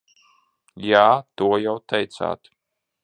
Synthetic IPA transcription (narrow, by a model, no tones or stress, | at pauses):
jaːt̪uɔjawt̪ɛjt̪sa̰ːt̪